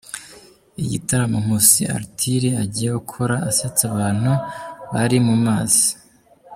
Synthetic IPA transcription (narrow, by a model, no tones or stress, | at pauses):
iɟḭtaɾamum̥usia̰ɾtʰiɾiaɟijeukʰoɾaːsat͡saβaːn̥huβaɾimumaːzi̥